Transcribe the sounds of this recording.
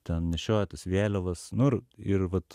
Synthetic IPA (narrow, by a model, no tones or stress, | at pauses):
t̪ʲɛnnʲɛʃʲoːt̪ɐsʋʲeːlʲoʋɐsnʊɪrɪrʋɐt̪